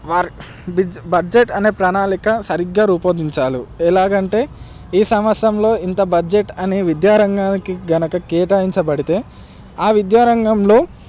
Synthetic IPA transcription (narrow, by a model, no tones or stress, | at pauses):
ʋaːɾi | bibɐd͡ʒeʈɐne̞ːpɾaːnaːlikɐsɐɾiɡːaːɾuːpoːd̪iɲt͡ʃaːluɛlaːɡɐɳʈe̞ː | iːsɐmʋɐsjɐmlo̞ːint̪ɐbɐd͡ʒeʈːɐneːʋid̪jaːɾɐŋɡaːnikiɡɐnɐkɐkeːʈaːjiɲt͡ʃɐbɐɽit̪e̞ː | aːʋid̪jaːɾɐŋɡɐmlo̞ː